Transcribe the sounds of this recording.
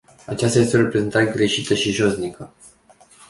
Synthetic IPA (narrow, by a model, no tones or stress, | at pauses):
at͡ʃast̪aje̞st̪eo̞ɾe̞pɾe̞zent̪aɾeɡɾe̞ʃit̪əʃiʒo̞znikə